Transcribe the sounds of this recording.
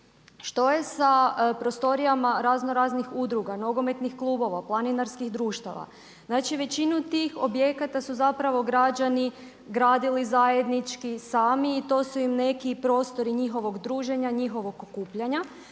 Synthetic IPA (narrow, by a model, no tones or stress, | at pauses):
ʃt̪o̞je̞sapɾo̞st̪o̞ɾijamaɾaznoɾaznixud̪ɾuɡano̞ɡo̞me̞t̪nixklˠuːbo̞ʋaplˠaninaɾskixd̪ɾuːʃt̪a̰ʋa̰ | znat͡ʃiʋe̞t͡ɕinut̪ixo̞bje̞kat̪asuzapɾaʋo̞ɡɾad͡ʒani | ɡɾaːd̪ilizaje̞d̪nit͡ʃkisaːmiːt̪o̞ːsuimne̞kipɾo̞ːst̪o̞ɾiɲixo̞ʋo̞ɡd̪ɾuːʒe̞ɲaɲixo̞ʋo̞ɡokuːpʎaɲa